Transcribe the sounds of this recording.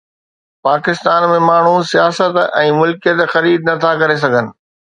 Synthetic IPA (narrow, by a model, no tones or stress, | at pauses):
paːkɪst̪aːnmẽmaːɳ̤usijaːsət̪ɛ̃ːmʊlkijət̪xɐɾiːd̪̚nɐt̪ʰakɐɾes̬ɐɡʱənɪ̆